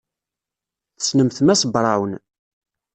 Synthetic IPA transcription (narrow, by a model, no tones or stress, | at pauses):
θə̥snəmθmæsəbɾˤɑwən